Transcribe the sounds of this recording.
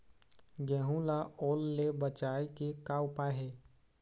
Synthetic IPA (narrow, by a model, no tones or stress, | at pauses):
ɡɛɦũlaʔoːlːebət͡ʃaːekekaʊpaɦe